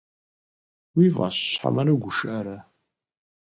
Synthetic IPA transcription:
wivʁa̰ɕɕħa̰mɐɾɐɡʷʊʃʔɐɾɐ

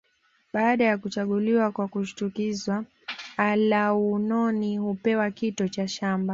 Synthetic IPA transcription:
ɓaːɗajakut͡ʃaɠuliwakwakuʃi̥tukizwa | alaunɔnihupɛwakitɔt͡ʃaʃamba

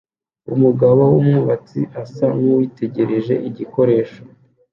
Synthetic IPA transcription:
ṵmuɡaβowumŋuβat͡siʔasaŋuwiːte̞ɟe̞ɾe̞ʒe̞̰ʔiɟiko̞ɾe̞ːʃo̥

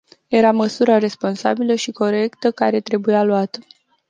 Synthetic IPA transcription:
je̞ɾaməsuɾaɾe̞spo̞nsa̰biləʃiko̞ɾe̞kt̪əkaɾe̞t̪ɾe̞bujaluat̪ə

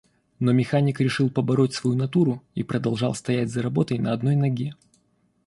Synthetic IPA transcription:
no̞mʲɪxanʲɪkɾʲɪʂɨlˠpəbɐɾo̞tʲsvɐjunɐt̪uɾʊḭpɾəd̪ɐlˠʐɑlˠst̪ɐjætʲzəɾɐbo̞t̪əjnəɐd̪no̞jnɐɡʲe

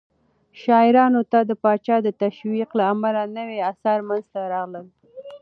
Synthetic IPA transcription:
ʃɑɪɾɑnot̪ad̪əpɑt͡ʃɑd̪ət̪aʃwiqlaːmalanəweasaɾmanzt̪aɾɑɣləl

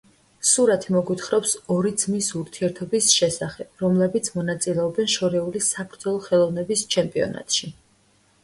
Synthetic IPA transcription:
suɾat̪ʰimɔɡwit̪ʰχɾɔpsɔɾid̪z̥misuɾt̪ʰiɛɾt̪ʰɔbisʃɛsaχɛb̥ɾɔmlɛbit̪sʰmɔnat̪sʼilɛɔbɛnʃɔɾɛulisapʰɾd̪zɔlˠɔχɛlˠɔvnɛbist͡ʃʰɛmpʼiɔ̰na̰t̪ʼʃi

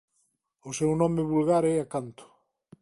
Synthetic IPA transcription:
ʊsɛwnɔ̃mɪβulɣaɾɛakant̪ʊ̥

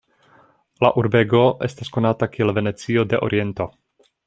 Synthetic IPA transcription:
laʔuɾbe̞ɡo̞ʔe̞stasko̞natakielve̞ne̞t͡sio̞de̞ʔo̰ɾʔie̞nto̞

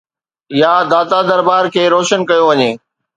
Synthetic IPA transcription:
ɪjad̪aːt̪ad̪ɐɾbaːɾkʰeːɾoːʃənkɐjoʋɐɲeː

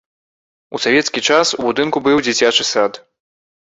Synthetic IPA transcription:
usavʲɛt̪skʲit͡ʂasubud̪ɨnkubɨwd͡zʲit͡sʲat͡ʂɨsat̪

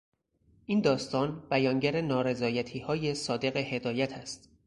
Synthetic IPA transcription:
ʔind̪ɒːst̪ɒːnb̥æjɒːŋɟæɾenɒːɾe̞zɒːjæt̪ʰiːhɒːje̞sɒːd̪e̞ɣe̞he̞d̪ɒːjæt̪ʰæst̪

